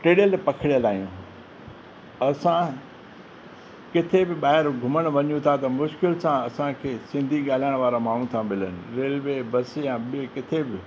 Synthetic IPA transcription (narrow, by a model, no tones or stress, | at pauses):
ʈeːɽijəlpɐkʰɪɽijəlaːɦijũː | ɐsã | kɪt̪ʰebɪɓaːɦɪɾɡʱʊməɽ̃ʋɐɲjũt̪ʰat̪ɐmʊʃkɪlsãɐsãkʰeːsɪ̃nd̪ʱiɠaːl̤aːɪɽ̃ʋaːɾamaːɳ̤ũt̪ʰãmɪlənɪ̆ɾeːlʋebɐsejãɓɪekɪt̪ʰebɪ